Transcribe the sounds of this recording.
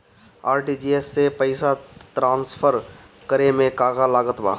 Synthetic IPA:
aːɾʈid͡ʒiesːepəɪsat̪ɾãːnspʰəɾ | kəɾemẽkaːɡalaːɡət̪ba̰ː

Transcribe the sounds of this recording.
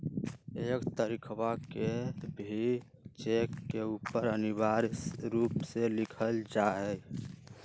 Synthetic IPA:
ekt̪əɾikʰwakebʱi | t͡ʃekːeupəɾəniβaɾɾupselikʰəld͡ʒaɦɛ

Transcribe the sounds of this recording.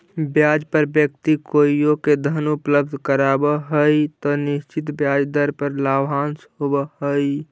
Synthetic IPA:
bjaːd͡ʒpəɾbjəkt̪ikoːijõked̪ʱənʊpləbd̪ʱkəɾaːbəɦəit̪ɔnɪʃt͡ʃɪt̪bjaːd͡ʒd̪əɾpəɾlaːbãːnsɦobəɦəi

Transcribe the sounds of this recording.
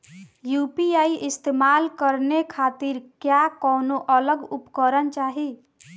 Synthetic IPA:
jupiaːiʔɪst̪eːmaːlkəɾnekʰaːt̪iɾkjakɔːnoʔələɡʊpkəɾənt͡ʃaːɦi

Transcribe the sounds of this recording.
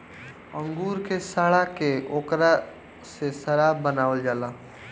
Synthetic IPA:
ə̃ŋɡuːɾkesaːɽakeoːkɾa | sesəɾaːbənaːʋəld͡ʒaːlaː

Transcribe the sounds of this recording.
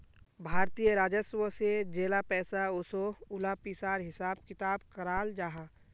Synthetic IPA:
bʱaːɾt̪ijəɾaːd͡ʒəswəsed͡ʒeːlapɛːsaʊsoʊlaːpisaːɾɦɪsaːbkɪt̪aːbkəɾaːld͡ʒaːɦã

